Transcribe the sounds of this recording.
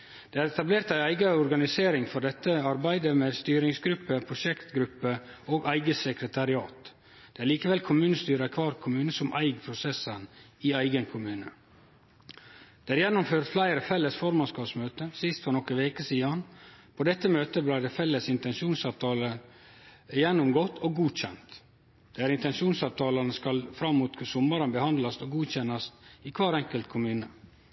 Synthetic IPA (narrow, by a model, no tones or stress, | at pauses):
d̪̥eːæɾɛt̪ɑbleːɾt̪æɪæɪɡɑɔɾɡɑnɪseːɾɪŋfɔɾɖ̪ɛt̪ːəɑɾbæɪd̪əmest̪yːɾɪŋsɡɾʉpːəpʰɾʊʃɛkt̪ɡɾʉpːəoːɡæɪɡəsɛkɾət̪ʰɑɾɪɑːt̪ | d̪̥eːæɾɭliːkəʋɛlkʰʊmʉːnəst̪yːɾəkʰʋɑːɾkʰʊmʉːnəsɔmʔæ̰ɪɡpʰɾʊsɛsən | iæɪɡənkʰʊmʉːnə | dd̪̥eːæɾjɛnːʊmføːɾt̪flæɪɾəfɛlːəsfɔɾmɑnskɑːpsmøːt̪əsɪst̪fɔɾnɔkəʋeːkəsiːɑnpʰɔd̪ɛt̪ːəmøːt̪əblæɪd̪ɛfɛlːəsɪnt̪ɛnʃuːnsɑʋt̪ʰɑːlə | jɛnːʊmɡɔt̪ʰːoːɡuːc͡çɛ̰nt̪ | d̪̥eːæɾɪnt̪ɛnʃuːnsɑʋt̪ʰɑːlɑnəskɑlfɾɑmːuːt̪sʊmːɑɾənbəhɑnd̪lɑsoːɡuːçɛnːɑst̪ikʰʋɑːɾɛŋkəlt̪kʰʊmʉːnə